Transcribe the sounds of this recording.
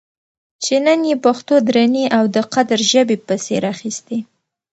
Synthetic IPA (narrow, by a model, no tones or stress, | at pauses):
t͡ʃenənjepaxt̪od̪ɾaniʔawd̪əqad̪aɾʒəbepəsḛɾaxist̪e